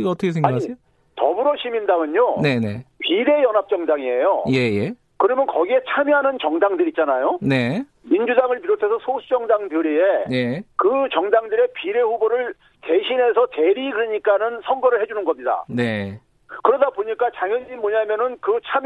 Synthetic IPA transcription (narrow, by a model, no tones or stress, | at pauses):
iʌtʰʌkʰesʰeɡaakɲi | tʌ̰buɾʌɕʰimindamɯɲone̞nepiɾe̞jʌnɦap̚t͡ɕ͈ʌŋdaŋie̞jojeje | kɯɾʌmjʌnkʌɡie̞t͡ɕʰamjɦanɯnt͡ɕʌŋdaŋdɯɾit͡ɕ͈anajone | mind͡ʑudaŋɯɭpiɾotʰesʰʌsʰosʰut͡ɕʌŋdaŋdjɯɾienekɯt͡ɕʌŋdaŋdɯɾe̞piɾe̞ɸuboɾɯɭ | te̞ɕʰine̞sʰʌte̞ɾiɡɯɾɯɲik͈anɯnsʰʌŋɡʌɾɯɭhe̞d͡ʑunɯnɡʌmɲida̰ne | kɯɾʌdaboɲik͈at͡ɕaŋjʌɲɲimmʌɲamjʌnɯnkɯt͡ɕʰam